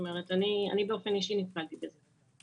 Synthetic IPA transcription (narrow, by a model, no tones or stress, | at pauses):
ome̞ʁ̞etania̰nibe̞o̞fe̞niʃinifnaltibeze